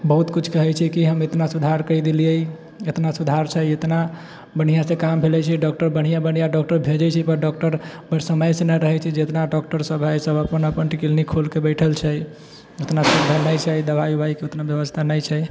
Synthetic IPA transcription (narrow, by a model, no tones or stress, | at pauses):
bəɦut̪kut͡ʃʰkəɦɛt͡ʃʰikiɦəmet̪nasud̪ʱaɾkəjd̪ilijei | et̪nasud̪ʱaɾt͡ʃʰəjet̪na | bəɽ̤ijasẽkambʱelɛt͡ʃʰɛɖɔk̚ʈəɾbəɽ̤ijabən̤ijaɖɔk̚ʈəɾbʱed͡ʒɛt͡ʃʰipəɾɖɔk̚ʈəɾbəsəməjsenəɾəɦɛt͡ʃʰɛd͡ʒet̪naɖɔk̚ʈəɾsəbɦəjsəbəpənəpənʈikilnikʰolkebəɪʈʰəlt͡ʃʰɛj | ot̪nasəd̪ʱənəjt͡ʃʰəjd̪əβajubaikeot̪nabjəbəst̪ʰanəjt͡ʃʰɛj